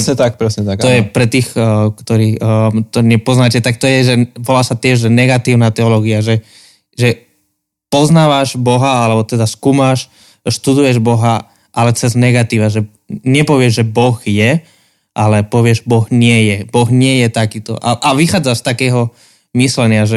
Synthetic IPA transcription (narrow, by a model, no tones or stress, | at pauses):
ɛsɲɛt̪ak̚pɾɛsɲɛt̪at̪ɔjɛpɾɛt̪iːxkt̪ɔɾiːt̪ɔɲɛpɔznaːcɛt̪ak̚t̪ɔjɛʒɛʋɔlaːsat̪ɪɛʒʒɛnɛɡat̪iːʊnat̪ɛɔlɔːɡiaʒɛ | ʒɛ | pɔznaːʋaʒbɔɦaalɛbɔt̪ɛd̪askuːmaʃ | ʃt̪ud̪ujɛʒbɔɦa | ʔalɛt͡sɛznɛɡat̪iːʋaʒɛ | ɲɛpɔʋɪɛʒʒɛbɔɣjɛ | ʔalɛpɔʋɪɛʒbɔɣɲɪɛjɛbɔɣɲɪɛjɛt̪akiːt̪ɔ̰ʔa̰ʔaʋixaːd͡zaʃst̪akɛːɦɔ | mislɛɲɪaʒɛ